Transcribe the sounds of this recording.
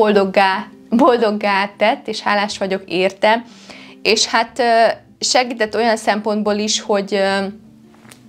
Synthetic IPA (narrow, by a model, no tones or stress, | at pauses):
old̪oɡa | bold̪o̞ɡːaːt̪ːɛt̪ːeːʃhaːlaːʃʋɒɟo̞keːrt̪ɛm | eːʃhat̪ø | ʃɛɡiːt̪ɛt̪ːo̞jɒnsɛmpo̞nd̪̚boːliʃho̞ɟø